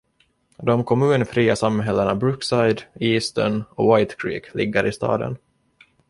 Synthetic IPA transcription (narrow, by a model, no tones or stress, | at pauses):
d̪ɔmkʰɔmʉːnfɾiːasamːɦɛlːəɳabɾɵksajd̪iːst̪ə̰nɔwajt̪kʰɾḭːklɪɡːaɾʔɪst̪ɑ̰ːd̪ə̰n